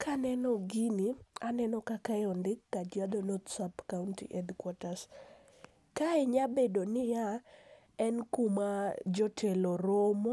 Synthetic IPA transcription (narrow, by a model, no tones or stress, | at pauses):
kanɛnɔɡinianɛnɔkakajɔndɪkːad͡ʒad̪onod̪sapkauntḭʔɛd̪kwatas | kaeɲabedonɪja | ɛnkumad͡ʒɔtʰeloɾomo